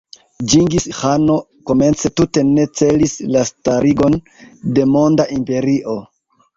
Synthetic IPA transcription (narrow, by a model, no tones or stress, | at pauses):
d͡ʒiŋɡishano̞ | ko̞me̞nt͡se̞tute̞ne̞t͡se̞lislastaɾiɡo̞n | de̞mo̞ndaʔimpe̞ɾiʔo̞